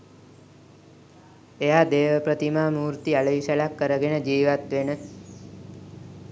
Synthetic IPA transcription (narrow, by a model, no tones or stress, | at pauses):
eɦad̪eːʋəpɾət̪imaːmuːɾt̪ialəjiʃəlakːəɾəɡenəd͡ʒiːʋat̪ʋenə